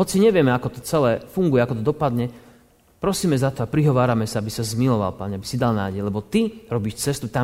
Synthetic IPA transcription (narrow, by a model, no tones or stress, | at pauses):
ɦɔt͡siɲɛʋɪɛmɛakɔt̪ɔt͡sɛlɛːfuŋɡujɛakɔt̪ɔd̪ɔpad̪ɲɛ | pɾɔsiːmɛzat̪ɔapɾiɦɔʋaːɾamɛsaabisazmilɔʋa̰lpaɲɛabisid̪alna̰ːɟɛjlɛbɔt̪iɾɔbiːʃt͡sɛst̪ut̪a